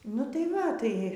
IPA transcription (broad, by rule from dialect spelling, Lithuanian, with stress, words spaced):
nʊ tɐɪ ˈʋɐ ˈtɐɪ